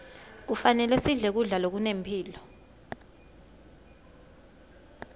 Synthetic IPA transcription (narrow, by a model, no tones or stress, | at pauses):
k̬ufanɛlɛsiɮɛk̬uɮalok̬unempʰiːlɔ